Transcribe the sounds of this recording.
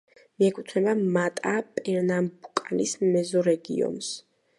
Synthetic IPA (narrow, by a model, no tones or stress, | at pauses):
miɛkʰu̥t̪ʰnɛbamat̪ʼapʼɛɾnambukʼanismɛzɔɾɛɡḭɔ̰ns